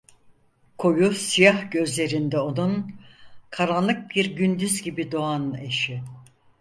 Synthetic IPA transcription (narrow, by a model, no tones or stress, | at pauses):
kʰo̞jusijahɟø̞zlʲe̞ɾind̪ɛo̞nun | kʰaɾanlˠɯk̚biɾɟynd̪yzɟibid̪o̞ane̞ʃɪ